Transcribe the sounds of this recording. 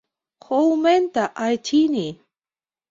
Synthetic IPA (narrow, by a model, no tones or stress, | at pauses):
howment̪aʔajt͡ʃini